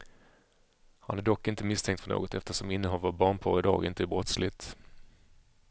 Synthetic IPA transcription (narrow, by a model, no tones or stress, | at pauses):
ha̰næɖɔkːɪnt̪əmɪst̪ʰɛŋkt̪fœɳo̰ːɡɔt̪ɛft̪əʂɔmɪnːəɦɔlvabɑːɳpʰɔ̰ːɾɪd̪ɑ̰ːɡɪnt̪əæbɾɔt̪slɪt̪